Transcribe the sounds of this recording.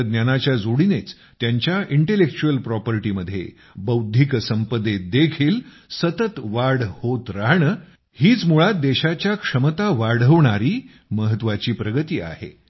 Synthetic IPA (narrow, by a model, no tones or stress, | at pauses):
d̪njanat͡ɕjad͡zoɽinet͡s | t̪jaɲt͡ɕjaʔiɳʈelek̚t͡ɕuəlpɾɔpəɾiʈiməd̪ʱːjḛ | bəwd̪ʱiksəmpəd̪ed̪ekʰiːl | sət̪ət̪ʋaɽ̤hot̪ɾaɦɳə | hiːt͡smuɭat̪̚d̪eɕat͡ɕjakʂəmət̪aʋaɽ̤əʋɳaɾiː | məɦət̪ʋat͡ɕiːpɾəɡət̪iːa̰hḛ